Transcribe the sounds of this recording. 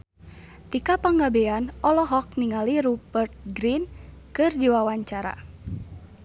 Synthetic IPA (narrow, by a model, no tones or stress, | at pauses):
t̪ikapaŋɡabɛanɔlɔɦɔk̚niŋaliɾupərt̪̚ɡɾinkɨrd͡ʒiwawaɲt͡ʃaɾa̰